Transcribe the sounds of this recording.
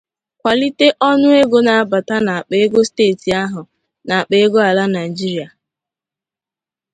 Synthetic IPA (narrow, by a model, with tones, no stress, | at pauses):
kʷa˨li˦te˦ʔɔ˦nʊ˦e˦ɡo˨na˨a˨ba˨ta˦na˨k͡pe˨˦e˦ɡo˦steː˦˨ti˨a˦ɦʊ˨ | na˨a˨k͡pe˦ɡo˦a˨la˦na˨i˨d͡ʒi˦ɾi˨a˨